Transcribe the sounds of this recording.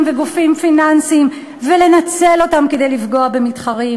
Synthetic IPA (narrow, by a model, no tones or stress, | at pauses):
mveɡufimfinansim | ve̞le̞nat͡se̞lo̞tamke̞d̪e̞jlifɡo̞abe̞mitχaʁi